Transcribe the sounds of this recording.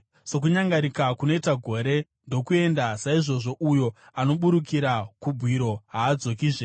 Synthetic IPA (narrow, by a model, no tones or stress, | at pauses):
sok̬uɲaŋɡaɾikakuno̞itaɡʱo̞ɾe̞ | ndo̞kue̞ndasaiʐo̞ʐo̞ʔujo̞ | ano̞ɓuɾukiɾakubʱwiɾo̞ɦaːd͡zo̞k̬iːʐe